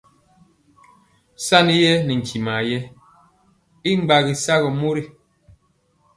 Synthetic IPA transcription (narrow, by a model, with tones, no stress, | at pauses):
sa˦˨ni˦jɛ˦ni˨ŋ̩˨kʰi˨ma˨jɛ˦ | i˦ŋ͡mɡ͡ba˨ɣi˨sa˦ɣɔ˨mo˦ɾi˦